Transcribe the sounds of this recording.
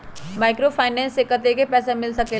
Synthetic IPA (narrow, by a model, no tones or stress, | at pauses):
maːɪkɾofaːɪnɛ̃ːnsɪkːət̪ekepɛːsemɪlsɐke